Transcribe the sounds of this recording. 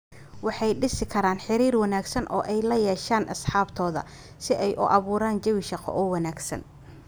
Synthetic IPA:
wɑħɑjɖɪsɪkʰɐɾaːnħɪɾiːrwɑnaːɡsɐnʔɔ̰ːʔɛjlɐjɛːʃaːnʔɐsħɑːbt̪ʰɔːðɐ̰ | sɪʔɛjʔʊ̰ʔɑβuːɾaːnt͡ʃɐwiʃɑqɔ̰ʔɔːwɑnaːɡsɐ̰n

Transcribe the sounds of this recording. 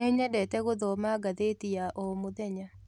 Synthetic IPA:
ɛɲadɛtɛɣoðɔmaɡaðetiaʔɔmʊðɛɲa

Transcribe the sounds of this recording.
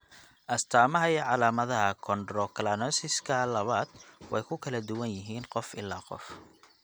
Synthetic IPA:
ʔɐst̪ʰaːmɐɦɐjɛʕɑlaːmɐðɐɦɐkʰɔndrɔkʰɐlaːnɔsɪskʰɐlɐβaːd̪̥wɑ̰jkʰʊkʰɐlɐd̪ʊwɐnjɪɦiːnqɔfɪ̰lːaːqɔ̰f

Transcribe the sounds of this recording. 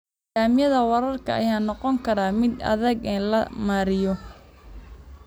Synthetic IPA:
ɡaːmɪjɐðɐwɐɾɐrkʰɐ̰ʔɐ̰jaːnɔqɔŋkʰɐɾaːmɪd̪ɐ̰ðɐɡɛːnlɐmaːɾɪjɔ

